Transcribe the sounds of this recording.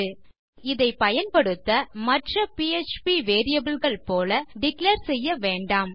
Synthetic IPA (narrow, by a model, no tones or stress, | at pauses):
ɯ | ɪðɐɪpɐjɐnpɐɽɯt̪ːɐmɐʈrɐpiet͡ʃpiʋeːɾɪjɐbɪlɣɐɭpoːlɐɖɪkleːɾsɛjːɐʋeːɳɖaːm